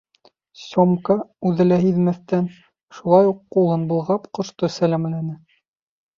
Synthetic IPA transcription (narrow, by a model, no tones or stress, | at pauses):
sʲomkɑʉðɘ̆læɦiðmæθt̪æn | ʃulˠɑjuqːulˠɤnbŭlˠʁɑpqŏʃt̪osælæmlænɘ